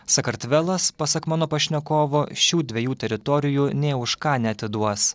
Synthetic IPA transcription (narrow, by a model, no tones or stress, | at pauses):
sɐkɐɾt̪ʲʋʲɛlˠɐspɐsɐkmɑːnoːpɐʃʲnʲɛkoːʋoːʃʲuːd̪ʲʋʲɛjuːt̪ʲɛɾʲɪt̪ɔːɾʲɪjuːnʲeːʊʃkɑːnʲɛɐt̪ʲɪd̪uɔs